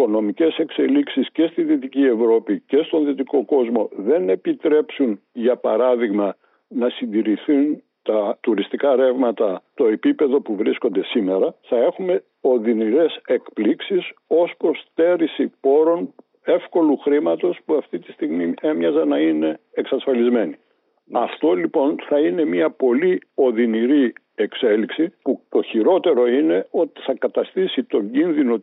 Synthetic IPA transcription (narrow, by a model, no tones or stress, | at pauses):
iko̞no̞mice̞se̞kse̞liksisce̞st̪inðit̪icie̞vɾo̞pice̞st̪o̞nðit̪iko̞ko̞zmo̞ðe̞ne̞pit̪ɾe̞psunʝɐpɐɾɐðiɣmɐ | nɐsind̪iɾiθun | t̪ɐt̪uɾist̪ikɐɾe̞vmɐt̪ɐt̪o̞e̞pipe̞ðo̞puvɾisko̞nd̪e̞sime̞ɾɐθɐe̞xume̞ | o̞ðiniɾe̞se̞kpliksiso̞spɾo̞st̪e̞ɾisipo̞ɾo̞n | e̞fko̞luxɾimɐt̪o̞spuɐft̪it̪i̥st̪iɣmie̞mɲɐzɐnɐine̞ːksɐsfɐlizme̞ni | ɐft̪o̞lipo̞nθɐine̞miɐpo̞lio̞ðiniɾi | e̞kse̞liksiput̪o̞çiɾo̞t̪e̞ɾo̞ine̞o̞t̪i̥θɐkɐt̪ɐst̪isit̪o̞ɲɟinðino